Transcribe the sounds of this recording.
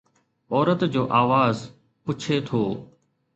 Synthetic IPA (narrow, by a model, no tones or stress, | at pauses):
ɔːɾət̪d͡ʑoːʔaːʋaːz | pʊt͡ɕʰet̪ʰoː